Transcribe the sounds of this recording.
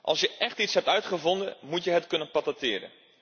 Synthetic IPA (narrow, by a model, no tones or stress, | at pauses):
ʔɑ̰lˠsjəʔɛχtitsɦɛp̚tœɥtχəvɔndə̰mutjəɦətkɵnənpɑtatɪːɾə̰n